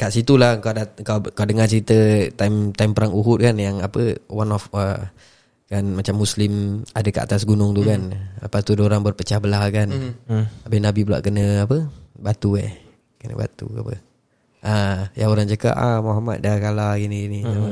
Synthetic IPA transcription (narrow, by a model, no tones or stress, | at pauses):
kaʔsit̪ulahəkawdakawkawdəŋant͡ʃəɾit̪ət̪aimt̪aimpəɾaŋuɦʊt̪̚kanjaŋapəwanɔfə | kanmat͡ʃamːuslɪma̰dəkəʔa̰t̪asɡunʊŋt̪ukanləpast̪udoɾaŋbərpət͡ʃahbəlahkan | abinabibəla̰ʔkənəapəbat̪uḛh | kənə̰ba̰t̪ṵapə̰ | ʔajaoɾaŋd͡ʒəka̰ʔamɔɦama̰t̪̚dakalaɡiniɡinina